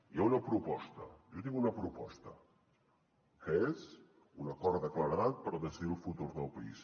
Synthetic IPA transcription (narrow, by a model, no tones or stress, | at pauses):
iaunəpɾupɔst̪ə̰ʒɔt̪iŋunəpɾupɔst̪ə | kəez | unəkɔɾðəkləɾəðat̪̚pəɾðəsiðilˠfut̪uɾðəlˠpəḭs